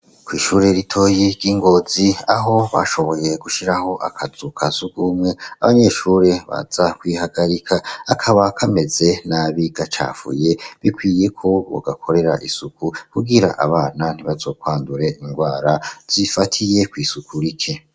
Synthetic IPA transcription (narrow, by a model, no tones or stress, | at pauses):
kwiːʃuːɾe̞ɾitʰo̞ːjiɾɡiːŋɡo̞ːziaɦo̞βa̰ʃo̞βo̞je̞ɡuʃiɾaho̞ʔakʰazukʰazuɡumŋe̞aβaɲe̞ʃuːɾe̞βa̰z̥akwiːɦaɡaɾikʰaːkʰaβakʰame̞ze̞naβiɡat͡ʃa̰ːfṵje̞βikwiːje̞kʰo̞βo̰ɡakʰo̞ɾe̞ɾaʔisukukuɡiɾa̰ʔaβaːnan̥iβazo̞ːkwaːnduɾe̞ʔiŋɡwaːɾaz̥ifatʰije̞kwiːsukʰuɾikʰe̞